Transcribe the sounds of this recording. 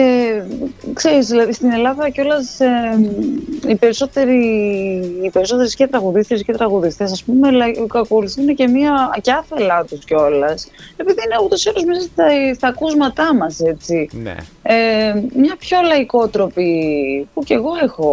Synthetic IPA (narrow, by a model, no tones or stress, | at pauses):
e | kseɾizðilɐðist̪ine̞lɐðɐco̞lɐse | ipe̞ɾiso̞t̪eɾiː | pe̞ɾiso̞t̪eɾescet̪ɾɐɣuðist̪escet̪ɾɐɣuðist̪esɐspumelɐkɐkoluθiinece̞miɐcɐfelɐt̪usceo̞lɐse̞piðiineut̪o̞siɐlozmisɐsɐst̪ɐkuzmɐt̪ɐmɐse̞t͡sin̰emɲɐpço̞lɐiko̞t̪ɾo̞pipuce̞ɣo̞e̞xo̞